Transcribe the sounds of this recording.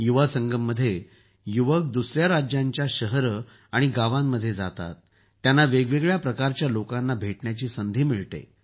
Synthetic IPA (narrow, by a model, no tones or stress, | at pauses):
juʋasəŋɡəmːəd̪ʱːje | juʋək̚d̪usɾjaɾad͡ʑjaɲt͡ɕjaɕəɦəɾə | aɽ̃iɡaʋamːəd̪ʱːjed͡za̰t̪a̰t̪ː | janːaʋeɡʋeɡɭjapɾəkaɾt͡ɕjalokanːabʱeʈɳjat͡ɕiːsənd̪ʱiːmiɭt̪ḛ